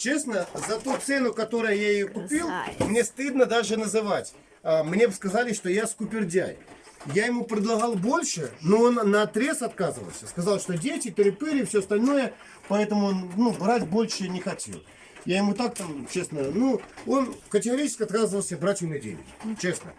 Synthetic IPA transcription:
t͡ɕe̞snəzɐt̪ut̪sɛnʊkɐt̪o̞ɾʊjəjaɪjokʊpʲilˠmnʲe̞st̪ɨd̪nəd̪aʐɨnəzɨvatʲ | amnʲebɨskɐzalʲɪʂt̪o̞jaskʊpʲɪrdʲa̰j | jajɪmupɾʲɪd̪lˠɐɣalˠbo̞lʲʂɨnoonːɐt̪ɾʲe̞sɐt̪kazɨvə̰lˠsʲəskɐzalˠʂt̪o̞dʲetʲɪt̪oɾʲɪpɨɾʲɪfsʲoɐst̪ɐlʲno̞jə | pɐɛt̪əmʊonnubɾatʲbo̞lʲʂɨnʲɪxɐtʲḛlˠ | jajɪmut̪ak̚t̪amt͡ɕe̞snənuo̞nkətʲɪɡɐɾʲit͡ɕɪskʲɐt̪kazɨvəlˠsʲəbɾatʲɪmnʲɐdʲḛnʲɪ̰t͡ɕe̞snə̰

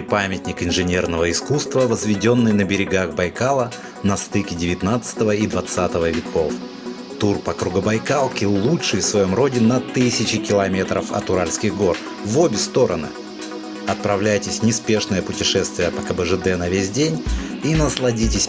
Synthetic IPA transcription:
pamʲɪt̪ʲnʲɪkɪnʐɨnʲe̞rnəvəɪskust̪vəvəzvʲɪdʲo̞nːɨjnəbʲɪɾʲɪɡaxbɐjkalˠə | nɐst̪ɨkʲɪdʲɪvʲɪt̪nat̪sɨ̥t̪əvəid̪vɐt̪sat̪əvəvʲɪko̞f | t̪urpɐkɾʊɡəbɐjkalˠkʲɪlˠutʂɨjfsvɐjo̞mro̞dʲɪnɐt̪ɨsʲɪt͡ɕɪkʲɪlˠɐmʲe̞t̪ɾə̰fɐ̰t̪ʊɾalʲskʲɪɣɡo̞r | vobʲɪst̪o̞ɾə̰nɨ̰ | ɐt̪̚pɾɐvlʲæjtʲɪsʲnʲɪspʲe̞ʂnəjəpʊtʲɪʂɛst̪vʲɪjəpəkəbəʐɨd̪ɛnɐvʲesʲdʲenʲinəslˠɐdʲitʲɪsʲ

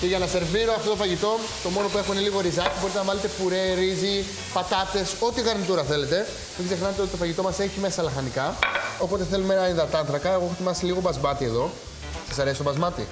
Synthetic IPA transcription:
ceʝɐnɐse̞ɾviɾoɐft̪o̞t̪ofɐʝit̪o̞ | t̪o̞mo̞no̞pue̞xuneliɣo̞ɾizɐcibo̞ɾit̪enɐvɐle̞t̪e̞puɾe̞ɾizi | pɐt̪ɐt̪e̞so̞t̪iɣɐɾnit̪uɾɐθe̞le̞t̪e̞ | miɡze̞xnɐnet̪eot̪it̪ofɐʝit̪o̞mɐse̞çimesɐlɐxɐnikɐo̞po̞t̪eθe̞lumenɐniðɐt̪ɐnθɾɐkɐeɣoexot̪imɐsiliɣo̞bɐzmbɐt̪ie̞ðo̞ | sɐsɐɾesist̪bɐzmɐt̪ḭ

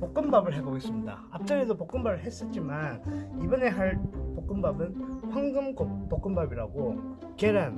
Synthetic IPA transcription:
pok͈ɯmbabɯɭɦeɡoɡes͈ɯmɲida̰ap̚t͡ɕ͈aɾedopok͈ɯmbabɯɭɦe̞s͈ʌt̚t͡ɕ͈imanibʌne̞ɦaɭpok͈ɯmbabɯnɸwaŋɡɯmɡop̚pok͈ɯmbabiɾaɡo | keɾan

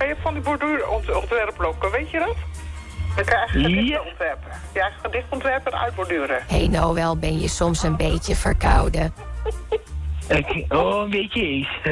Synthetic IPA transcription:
kajɛfɔndibuɹdyːrɔntɔntʋɛrplokəʋejtjədɔt | jəkajɛjədɪɔntʋɛrpəkjɛjxlədɪχtɔntʋɛrpərœ̰ɥt̚bɔdyːɾəheːnoːʋɛlˠbɪnjəsɔmsənbeːtjəfərkʰawdə | koːənbetjəes

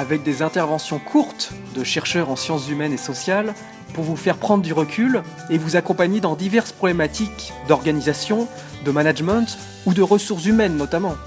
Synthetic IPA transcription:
avɛk̚d̪ezɛ̃t̪ɛʁvɑ̃sjɔ̃kʰuʁt̪d̪əʃɛʁʃœʁɑ̃sjɑ̃szymɛnesɔsjal | puʁvufɛʁpχɑ̃d̪ʁd̪yʁəkʲʰyl | evuzakɔ̃paɲed̪ɑ̃d̪ivɛʁspχɔblɛmat̪ik | d̪ɔʁɡanizasjɔ̃ | d̪əmanaʒmɑ̃t̪ | ud̪əʁəsuʁs̬zymɛnːɔt̪amɑ̃

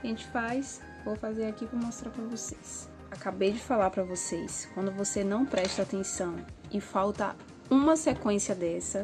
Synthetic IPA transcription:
ʒẽnt͡ʃɪ̥fajs | vofazeɾakipɾɐmɔst̪ɾaɾpɾɐvoses | akabejd͡ʒɪfalaɾpɾɐvoseskwɐ̃nd̪ʊvosenɐ̃w̃pɾɛʃt̪ɐat̪ẽsɐ̃w̃ | ɪfawt̪ɐ | ũmɐsekwẽsiɐd̪ɛsɐ

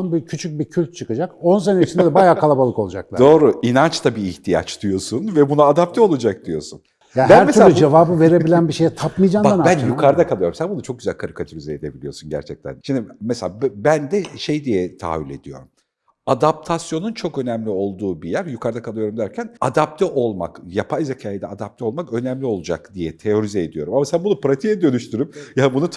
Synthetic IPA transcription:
nbicʰyt͡ʃʰyc̚bicʰylʲt̪̚t͡ʃʰɯkad͡ʒakons̬enet͡ʃind̪ɛd̪ɛbajaːalˠabalˠɯkolˠud͡ʒa̰k̪̚d̪o̞ːɾuinant͡ʃt̪ʰabiːçt̪ʰija̰t͡ʃd̪̥ujo̞sunvɛbunaːd̪ap̚t̪ʰɛo̞lˠud͡ʒak̚d̪ujo̞̰sun | jabææɾmesuɾeud͡ʒevaːbɯve̞ɾe̞ilʲænbiʃe̞jɛt̪ʰapmɯjd͡ʒaːmbaanbænjukʰaɾd̪akʰalˠɯjo̞ɾumsænbunut͡ʃʰo̞k̚ɟyzælʲkʰaɾɯkʰat̪ʰuɾyzeed̪e̞bilʲijo̞sunɟæ̰ɾt͡ʃʰɛc̚t̪ʰæ̰nʃind̪imɛselʲabbænd̪ɛʃe̞jd̪ijɛt̪ʰa̰ːvilʲe̞d̪ijo̞̰ɾum | ad̪ap̚t̪ʰasjo̞nunt͡ʃʰo̞kø̞næmlʲio̞lˠd̪uːbijæɾjukʰaɾd̪akʰalˠɯjo̞ɾumd̪æɾcʰænad̪ap̚t̪ʰɛʔo̞lˠma̰kjapʰajzecʰaːjid̪ɛad̪ap̚t̪ʰɛo̞lˠmakø̞næmlʲio̞lˠud͡ʒa̰kd̪ijɛt̪ʰe̞jo̞ɾizɛːd̪ijo̞ɾumamasænbunupɾat̪ʰijɛd̪ø̞nyʃt̪ʰyɾymjabunut̪ʰ

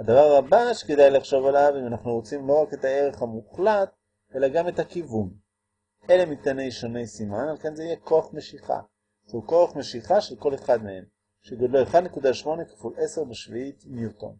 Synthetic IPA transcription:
had̪avaʁabaʃe̥kedajlaχʃo̞valavimanaχnuʁot͡simlo̞ʁake̞tae̞ʁeχhamuχlat | e̞laɡame̞thakivun | ʔe̞lemit̪ane̞jʃo̞ne̞jsimanalkenzeijeko̞aχme̞ʃiχa̰ | ʃehuko̞aχmeʃiχaʃelko̞le̞χad̪mehem | ʃeɡodlojeχad̪nekudaʃmo̞ne̞kḁfulʔe̞se̞ʁbeʃviitnjuto̞̰n

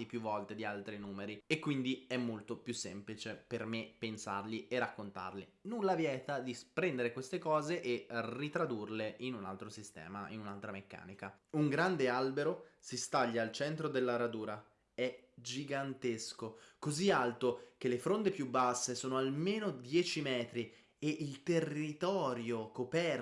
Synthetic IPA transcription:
ipjuvːɔlt̪ed̪ialt̪ɾinuːmeɾiekːwind̪iɛmːolt̪opjusːɛmplit͡ʃepermepensa̰rlierːakːont̪a̰rlenulːavjɛːt̪ad̪ispɾɛnd̪eɾekwest̪ekɔːzeʔerit̪ɾad̪urleʔinuna̰lt̪ɾosist̪ɛ̰ːmaḭnunalt̪ɾamekːa̰ːnikauŋɡɾand̪ealbeɾosist̪aʎːaːlt͡ʃɛnt̪ɾod̪elːaɾad̪uːɾa | ɛd͡ʒiɡant̪eskokozialt̪ok̟elefɾont̪epjubːasːesoːnoalmeːnod̪jɛːt͡ʃimɛːt̪ɾi | eʔilt̪erːit̪ɔːɾjokopɛr

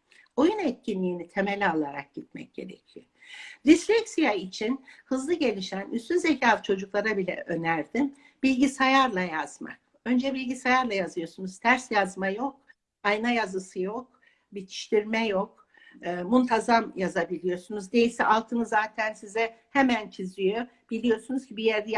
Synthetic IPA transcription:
o̞junɛt̪̚cinːʲiːnit̪ʰe̞me̞lʲalˠaɾa̰k̚ɟ̥it̪̚mɛ̰c̚ɟ̥e̞̰ɾḛcʰijo | ɾislʲɛcsijait͡ʃʰinhɯzlˠɯɟe̞lʲiʃænyst̪ynzecʰaːft͡ʃʰo̞d͡ʒuklˠaɾabilʲɛ̰ʔø̞næɾd̪im | b̥ilʲɟisajaɾlˠajaz̥ma̰k̚ | ø̞nd͡ʒɛbilʲɟisajaɾlˠajazɯjo̞sunuz̥t̪ʰæɾsjazmajo̞k̚ | ajnajazɯsɯjo̞k̚ | bit̪ʰi̥ʃt̪ʰiɾmɛjo̞k̚ː | munt̪ʰazamjazabilʲijo̞sunuzd̪e̞jilʲsɛʔalˠt̪ʰɯnɯzːaːt̪ʰænsizɛhemænt͡ʃʰizijo̞ | b̥ilʲijo̞sunuz̥cʰibijɛɾd̪ɛ

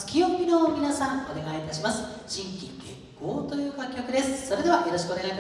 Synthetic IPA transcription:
t͡sɨ̥kʲio̞mʲino̞mʲinasãŋo̞̰ne̞ɡaiːt̪aɕ̬imasɨ̥ʑ̥ĩŋkʲḭ̃ŋɡẽ̞̰ŋko̞ːt̪o̞jɯ̟ːkakʲːakɯ̟d̪e̞sɨ̥so̞ɾe̞d̪e̞βajo̞ɾo̞ɕi̥kɯo̞nea

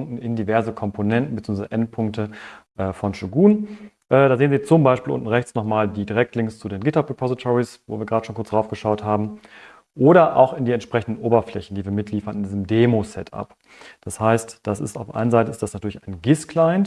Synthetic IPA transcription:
ŋktn̩ɪndivɛɐzəkʰɔmpʰonɛntn̩bət͡siuːɡŋvazəʔɛnt̚pʰʊŋk̚təʔɛːfɔnʃuɡuːn | ʔɛːdaːzeːənziːɐt͡sʊmbaɪʃpiːlʊ̰nʔn̩ʁɛçt͡snɔχmaːldiːdiʁɛk̚tlɪŋst͡sudeːnɡɪtapʁɛpʰɔzɪtʰɔʁisvo̰ːviːɐɡʁaːdəʃoːnkʊɐt͡ssd̥ʁaʊfɡ̥əʃaʊthaːbm̩ | ʔoːɾɐʔa̰ʊxɪndiːɛntʃpʁ̥ɛçn̩dən̩ʔoːbɐflɛçn̩diːviːɐmɪtʰliːfɐnɪndiːzəmdeːmosɛtʰa̰p | d̥ashaɪstd̥asɪ̰staʊfʔa̰ɪnənzaɪtəɪstd̥asnatʰyɐlɪçaɪnɡɪskʰlaɪnt

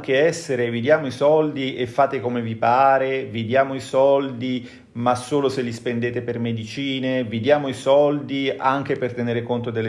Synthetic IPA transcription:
k̟eɛsːeɾevid̪jaːmoisɔld̪iʔefːaːt̪ekomevipaːɾevid̪jaːmoisɔld̪i | masːoːloselːispend̪eːt̪epermed̪it͡ʃiːnevid̪jaːmoisɔld̪iaŋk̟epert̪eneːɾekont̪od̪elː

